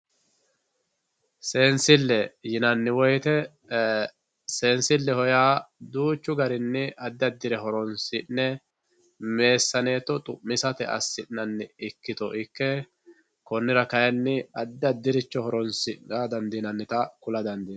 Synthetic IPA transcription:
seːnsɪlːɛjɪnɐnːɪwɔjt̪ɛ | seːnsɪlːɛhɔjaːd̪uːt͡ʃːʊɡɐɾɪnːɪʔɐd̪ːɐd̪ːɪɾɛɦɔɾɔnsɪnːɛ | me̞ːsːɐne̞ːt̪ːɔt̪ʼʊmmːɪsɐt̪ɛʔɐ̰sːɪʔnɐnːɪɪkːɪt̪ɔʔɪkːɛ | kɔnːɪɾɐkɐjɐnːɪɐd̪ːɐd̪ːɪɾɪt͡ʃːɔhɔɾɔnsɪɐd̪ɐnd̪inɐnːɪt̪ɐkʊlɐd̪ɐnd̪in

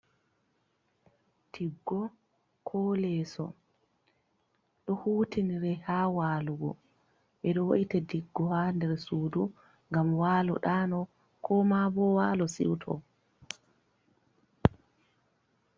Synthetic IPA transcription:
d̥iɡːɔ | kʰɔlɛsɔ̰ | ɗɔhuːtiniɾɛhawaːluɡɔ̰ | ɓɛɗɔwa̰ʔitadiɡːɔhaːndɛɾsuːdu | ŋɡamwaːlɔ̰ɗaːnɔ | kʰɔmabɔwaːlɔsḭwtʰɔ̰

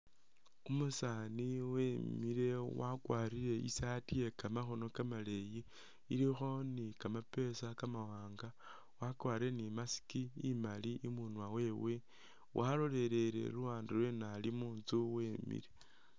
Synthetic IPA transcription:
umusaniwemiɾe̞wakwaːɾiɾe̞ḭsatije̞kamaxonokamale̞ji | iɾixo̞nikamape̞sakamawaːŋɡa | wakwaːɾiɾenimasi̥kiimaliʔimunwawe̞we | wʔalo̞le̞ɾe̞ɾe̞̰luwaːndilwenalimuːnt͡suwe̞mḭɾe

